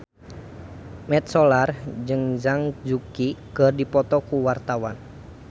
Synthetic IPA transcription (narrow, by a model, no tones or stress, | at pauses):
mɛt̪̚sɔlard͡ʒɨŋd͡ʒaŋd͡ʒukikərdipɔt̪ɔkuwart̪awan